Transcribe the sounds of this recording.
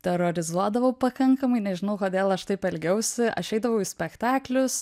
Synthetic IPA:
t̪ʲɛɾoːɾʲɪzuɔd̪ɐʋɐʊpɐkɐŋkɐmɐɪnʲɛʒʲɪnɐʊkoːd̪ʲeːlˠɐʃt̪ɐɪpɛlʲɡʲɛʊsʲɪʔɐʃʃɛɪd̪ɐʋɐʊisʲpʲɛkt̪ɑːklʲʊs

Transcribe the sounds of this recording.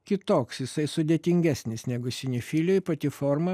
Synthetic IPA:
kʲɪt̪oːksjɪsɐɪsʊd̪ʲeːt̪ʲɪŋʲɡʲæsʲnʲɪsnʲɛɡʊsʲɪnʲɪfʲilʲoːjpɐt̪ʲɪfoːɾmɐ

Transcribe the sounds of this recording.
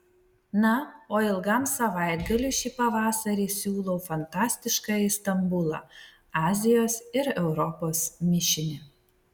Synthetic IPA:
nɐoːɪlˠɡɐˑmsɐʋɑˑɪd̪ɡɐlʲuˑʃʲiːpɐʋɑːsɐɾʲiːsʲuːlˠɔʊfɐnt̪ɑːsʲt̪ʲɪʃkɑɪst̪ɐmbʊlˠɑ̰ | ɑːzʲɪjoːsɪɾɛʊɾɔpoːsmʲɪʃʲɪnʲɪ

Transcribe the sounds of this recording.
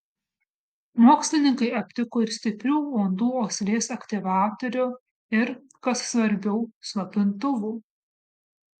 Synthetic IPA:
muɔksʲlʲɪnʲɪŋkɐɪɐpʲt̪ʲɪkoːɪɾsʲt̪ʲɪpʲɾʲuːoːnd̪uːoːsʲlʲeːsɐkʲt̪ʲɪʋɑːt̪ɔɾʲʊ | ɪɾ | kɐssʋɐɾʲbʲɛʊsˠɐpʲɪnt̪ʊʋuː

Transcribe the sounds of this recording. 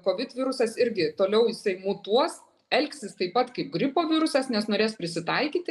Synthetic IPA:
koːʋʲɪt̪ʋʲɪɾʊsɐsɪɾʲɡʲɪt̪oːlʲɛʊjɪsɐɪmʊt̪uɔs | ɛlʲksʲɪst̪ɐɪpːɐt̪kɐɪp̚ɡɾʲɪpoːʋʲiɾʊsɐsnʲɛsnoːɾʲeːspʲɾʲɪsʲɪt̪ɐɪkʲiːt̪ʲɪ

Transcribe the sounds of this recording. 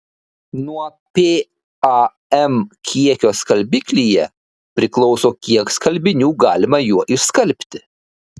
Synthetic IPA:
nuɔ | pʲeː | ɑ | ɛmkʲʰiɛkʲoːskɐlʲbʲiːkʲlʲijɛ | pʲɾʲɪklˠɒʊsoːkʲiɛkskɐlʲbʲɪnʲuːɡɑːlʲɪmɐjuɔʔɪskɐlʲˑpʲt̪ʲɪ̥

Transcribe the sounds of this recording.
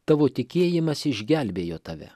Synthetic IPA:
t̪ɑːʋoːt̪ʲɪkʲeːjɪmɐsɪʒʲɡʲælʲbʲeːjoːt̪ɐʋʲɛ̰

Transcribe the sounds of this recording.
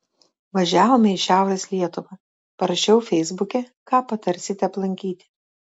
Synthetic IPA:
ʋɐʒʲæːʋoːmʲɛɪʃʲæˑʊɾʲɛslʲiɛt̪ʊʋɐ | pɐɾɐʃʲɛʊfʲɛɪzbʊkʲɛkɑːpɐt̪ɐɾʲsʲɪt̪ʲɛɐplˠɐŋʲkʲiːt̪ʲɪ̥

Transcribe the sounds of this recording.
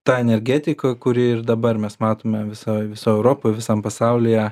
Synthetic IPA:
t̪ɑːɛnʲɛɾʲɡʲæːt̪ʲɪkɐkʊɾʲɪɪrd̪ɐbɐɾmʲɛsmɑːt̪oːmʲɛʋʲɪsoːjʋʲɪsoːɛʊɾoːpoːjʋʲɪsɑmpɐsɐʊlʲɪjɛ

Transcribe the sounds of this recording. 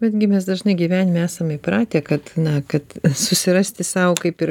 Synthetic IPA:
bʲɛd̪ʲɡʲɪmʲɛs̬d̪ɐʒnɐɪɡʲiːʋʲæːnʲɪmʲæːsɐmɪpɾɑːt̪ʲeːkɐt̪nɐkɐt̪sʊsʲɪɾɐsʲt̪ʲɪsɐʊkɐɪpɪɾ

